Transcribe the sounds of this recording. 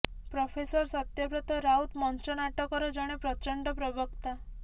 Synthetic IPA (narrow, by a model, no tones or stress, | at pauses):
pɾɔpʰesɔɾsɔt̪jɔpɾɔt̪ɔɾaut̪mɔnt͡ʃɔnaʈɔkɔɾɔd͡ʒɔɽ̃epɾɔt͡ʃɔɳɖɔpɾɔbɔkt̪a